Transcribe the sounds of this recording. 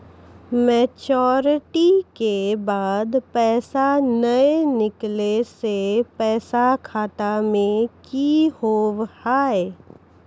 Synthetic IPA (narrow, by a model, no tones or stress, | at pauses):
mɛːt͡ʃɔːɾɪʈikebaːd̪pɛːsanəenɪklesepɛːsakʰaːt̪amẽkihoːʋhaːe